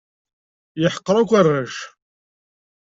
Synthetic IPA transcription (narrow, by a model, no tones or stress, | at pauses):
jəħə̥qːɾˤakʷarːæʃ